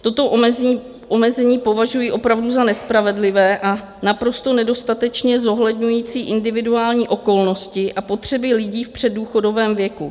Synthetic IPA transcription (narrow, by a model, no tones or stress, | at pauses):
t̪o̞t̪o̞ʔ | ʔomɛzɛɲiːpo̞vaʒujiːʔo̞pɾavduzanɛspɾavɛdlɪvɛːʔa | napɾo̞st̪o̞nɛdo̞st̪at̪ɛt͡ʃɲɛzo̞ɦlɛdɲujiːt͡siːʔɪndɪvɪduaːlɲiːʔo̞ko̞lno̞scɪʔapo̞t̪r̝̥ɛbɪlɪɟiːfpr̝̥ɛduːxo̞do̞vɛːmvjɛku